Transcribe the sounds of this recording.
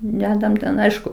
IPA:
ˈdʲæːdɐm tʲɛn ˈɐɪʃkʊ

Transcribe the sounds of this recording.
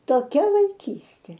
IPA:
toːˈkʲɛ ʋɐɪˈkʲiːsʲtʲeː

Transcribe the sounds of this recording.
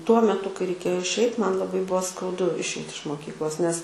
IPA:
tuɔ mʲɛˈtʊ kɐɪ rʲɛɪˈkʲeːjoː ɪʃʲˈɛɪt ˈmɐn lˠɐˈbɐɪ ˈbʊʋoː skɐʊˈdʊ ɪʃʲˈɛɪt ɪʃ moːˈkʲiːklˠoːs nʲɛs

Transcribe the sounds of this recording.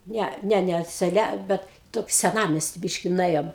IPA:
ˈnʲɛ ˈnʲɛ ˈnʲɛ sʲɛˈlʲɛ ˈbʲɛt ˈtoːkʲɪ sʲɛˈnɑːmʲɛsʲtʲɪ ˈbʲiːʃʲkʲɪ nʊˈeːjoːm

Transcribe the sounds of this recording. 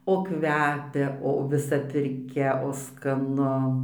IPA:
oː ˈkʋʲæːpʲɛ oː ʋʲɪˈsɐ pʲɪrʲˈkʲɛ oː skɐˈnʊ

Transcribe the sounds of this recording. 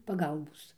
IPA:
pɐˈɡɐlˠboːs

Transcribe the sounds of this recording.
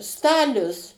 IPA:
ˈstɑːlʲʊs

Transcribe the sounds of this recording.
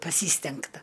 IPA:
pɐˈsʲiːsʲtʲɛŋktɐ

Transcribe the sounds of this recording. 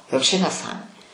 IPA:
jɛʊ ˈt͡ʃʲɛ nʲɛˈsɑːmoːnʲeː

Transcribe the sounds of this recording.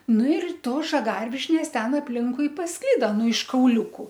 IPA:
ˈnʊ ɪr ˈtoːs ʒɐˈɡɐrʲʋʲɪʃʲnʲeːs ˈtʲɛn ɐpʲˈlʲɪŋkʊɪ pɐsˈklʲɪdɐ ˈnʊ ɪʃ kɐʊˈlʲʊkʊ

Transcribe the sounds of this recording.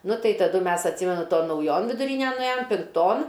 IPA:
ˈnʊ ˈtɐɪ tɐˈdʊ ˈmʲɛs ɐtʲˈsʲiːmʲɛnʊ ˈtoːn nɐʊˈjoːn ʋʲɪdʊˈrʲiːnʲɛn nʊˈeːjoːm pʲɪŋkˈtoːn

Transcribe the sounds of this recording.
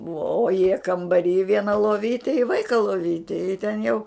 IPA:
bʊɐ oː jiɛ kɐmbɐˈrʲiː ˈʋʲiɛnɐ lˠoːˈʋʲiːtʲɪ ɪ ˈʋɐɪkɐ lˠoːˈʋʲiːtʲɪ ɪ tʲɛn jɛʊ

